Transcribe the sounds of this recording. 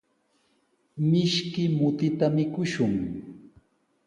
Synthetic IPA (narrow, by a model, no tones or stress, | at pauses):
mɪʃkɪmʊt̪ɪt̪amɪkʊʃʊŋ